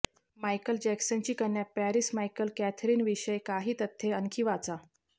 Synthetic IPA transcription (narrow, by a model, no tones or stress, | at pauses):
majkəld͡ʑɛksənt͡ɕiːkəɾɳjapæɾismajkəlkæt̪ʰɾiːnʋiɕəjkaɦiːt̪ət̪ʰːeəŋkʰiʋat͡sa